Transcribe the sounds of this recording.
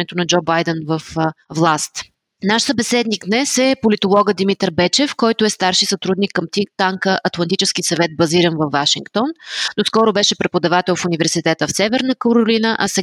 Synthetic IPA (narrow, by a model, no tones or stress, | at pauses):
ɛt̪onɐd͡ʒɔbajd̪ɛnvəfvlˠast̪ | naʃsəbɛsɛd̪niɡd̪nɛsɛpolit̪olˠɔɡəd̪imit̪ɾbɛt͡ʃɛfkɔjt̪ʊɛst̪aɾʃisɐt̪ɾud̪nikːəmt̪it̪aŋkəʔɐt̪lˠɐnt̪it͡ʃɛsk̟isɐvɛt̪̚bɐziɾənvɐvːaʃiŋkt̪ɔnːoskɔɾʊbɛʃɛpɾɛpod̪ɐvat̪ɛlˠfunivɛɾsit̪ɛt̪əfsɛvɛɾnəkoɾʊlinəʔɐsɛ